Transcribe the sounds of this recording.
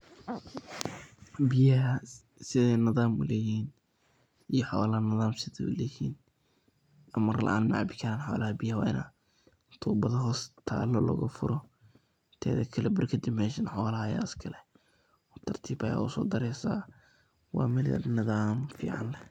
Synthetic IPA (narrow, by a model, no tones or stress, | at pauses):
bɪjɐɦɐ | sɪðɛjnɪðaːmʊ̰lɛjiːn | ijɔħɔːlɐhɐnɪðaːmsɪðɛʊlɛhiːn | ɐmɐrlɐ̰ʔaːnma̰ʕbɪkʰɐɾaːnħɔːlɐhɐbɪjɐwɑ̰ːɪna̰ː | t̪ʰʊbɐðɐɦɔːst̪ʰa̰ːlɔlɔ̰ːɣʊfʊ̰ɾɔ | t̪ʰɛːðɐkʰɐlɛbɪrkʰɐd̪ɪmmɛʃɐnħɔːlɐhjɛ̰ːskʰɐlɛ | ɔt̪ʰɐrt̪ʰiːbɐja̰ːʊsɔ̰ːd̪ɐɾɛsa̰ː | wɑːmɛlɐ̰nɪðaːmfḭːʕɑ̰nlɛ